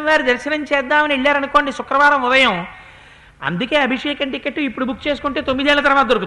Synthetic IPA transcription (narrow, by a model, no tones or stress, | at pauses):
ʋaːɾid̪ɐɾʃɐnɐɲt͡ʃɛːd̪ːaːmɐnieɭːaːɾɐnukoːɳɖisʊkɾɐʋaːɾɐmʊd̪ɐjɐm | ɐ̰nd̪uke̞ːɐbʱiʂeːkɐnʈikːeʈːuipːuɽubukːt͡ʃe̞ːsukuɳʈeːt̪o̞mːid̪eːlɐt̪ɐɾɐʋaːd̪oɾuku